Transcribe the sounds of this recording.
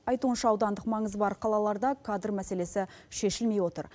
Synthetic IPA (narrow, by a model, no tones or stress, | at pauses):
ɑjt̪uənʃɑɑwd̪ɑnd̪əqmɑɴəzbɑɾqʰɑlˠɑlˠɑɾd̪ɑkʰad̪ərmæse̞le̞sɪʃe̞ʃɪlme̞jwo̞t̪ə̰ɾ